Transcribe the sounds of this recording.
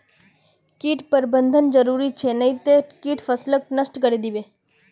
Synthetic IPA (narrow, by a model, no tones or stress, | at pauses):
kiːʈpəɾbənd̪ʱənd͡ʒəɾuːɾit͡ʃʰenɐĩt̪ekiːʈfʰəslək̚nəsʈkəɾed̪iʋe